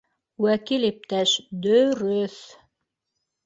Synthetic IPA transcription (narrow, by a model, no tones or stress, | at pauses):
wækilip̚t̪æʃd̪ɵɾɵθ